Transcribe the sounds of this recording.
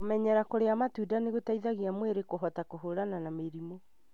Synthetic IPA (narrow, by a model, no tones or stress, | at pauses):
omɛɲɛɾakoɾeamatudaneɣotaiðaɣiamweɾekoɦɔtakoɦoɾananameɾimo